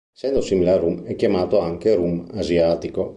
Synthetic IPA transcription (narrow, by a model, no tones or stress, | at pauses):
sɛnd̪osimileaɾumɛkːjamaːt̪oaŋkeɾumazjaːt̪iko